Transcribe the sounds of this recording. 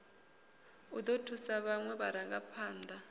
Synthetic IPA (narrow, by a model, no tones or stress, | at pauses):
ud̪otʰusaβaŋwɛɓaɾaŋɡapʰaːnd̪ʱa